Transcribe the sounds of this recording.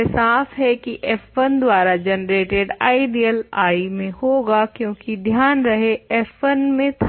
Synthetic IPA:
saːfɦɛkiʔɛːfənd̪waːɾad͡ʒɛnɾeːʈɪɖaːiɖijəlaːimẽhoːɡakjõːkid̪ʱjaːnɾɐɦeɛːfənmẽt̪ʰ

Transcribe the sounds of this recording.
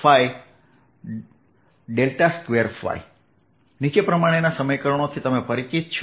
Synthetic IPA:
faj | ɖelʈaskʋeɾfa̰j | nit͡ʃepɾəmaɽ̃enasəməjkəɾəɳ̃ot̪ʰit̪əmepəɾit͡ʃit̪t͡ʃʰ

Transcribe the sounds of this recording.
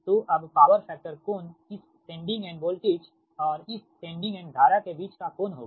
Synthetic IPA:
t̪oʔɐbpaːʋəɾfɛːk̚ʈəɾkoːnɪs | ʈẽːɳɖɪ̃ŋɡɛ̃ːɳɖboːlʈeːd͡ʒ | ɔːɾɪsʈẽːɳɖɪ̃ŋɡɛ̃ːɳɖɡʱaːɾakebiːt͡ʃkakoːnɦo̰ːɡ

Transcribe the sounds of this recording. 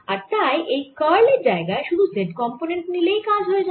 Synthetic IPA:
aɾt̪ajʔejkəɾleɾd͡ʑaeɡaeʃud̪ʱuseɖkɔmponeɳʈnilejkad͡ʑʱɦoed͡ʑa

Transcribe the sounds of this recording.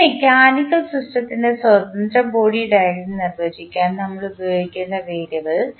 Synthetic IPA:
ekʲaːnikːɐɭsruʂʈɐt̪ːindeswɐd̪ɐnd̪rɐmbo̞ːɽijuɽaːjɾunːɨnirʋeːd͡ʑikʲːaːnnɐmːɐɭubɐjoːikʲːunːɐʋeːɾjɐʋɨɭ

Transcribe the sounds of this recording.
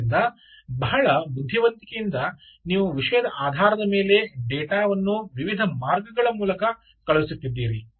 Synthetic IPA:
nd̪ɐ | bɐɦɐɭɐbud̪ʱjiʋɐnt̪ikejind̪ɐ | niːʋuʋiʂɐjɐd̪ɐʔaːd̪ʱaːɾɐd̪ɐme̞ːle̞ɖɛːʈaːʋɐnːuʋiʋid̪ʱɐmaːɾɡɐɡɐɭɐmuːlɐkɐ | kɐɭusut̪ːid̪ːiːɾi

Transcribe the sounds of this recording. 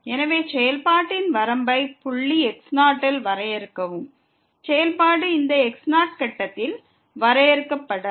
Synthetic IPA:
ɛnɐʋeːsɛjɐlpaːʈːɪnʋɐɾɐmbɐɪpʊɭːiɛksnaːʈːɐlʋɐɾɐjɛɾɯkːɐʋɯm | sɛjɐlpaːɽɯɪnd̪ɐɛksnaːʈ̚kɐʈːɐt̪ːɪl | ʋɐɾɐjɛɾɯkːɐpːɐɽɐ

